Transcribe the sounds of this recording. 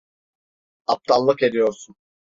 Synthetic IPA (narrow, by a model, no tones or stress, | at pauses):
ap̚t̪ʰalˠːɯke̞d̪ijo̞ɾsun